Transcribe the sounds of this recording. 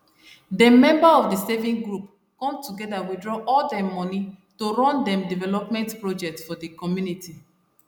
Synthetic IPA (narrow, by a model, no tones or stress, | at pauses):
dəmɛ̃mbaɔfdəsɛvĩŋɡɹup | kɔ̃mtuɡɛdawidɹɔʔɔldɛmɔnitoɹɔ̃ndɛ̃mdivɛlɔpmɛ̃ntpɹɔd͡ʒɛk̚tsfɔdəkɔmjuniti